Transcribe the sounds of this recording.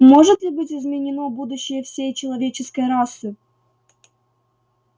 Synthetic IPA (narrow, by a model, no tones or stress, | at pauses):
mo̞ʐɨt̪lʲɪbɨtʲɪzmʲɪnʲɪnobud̪ʊɕːɪjəfsʲejt͡ɕɪlˠɐvʲet͡ɕɪskəjɾasːɨ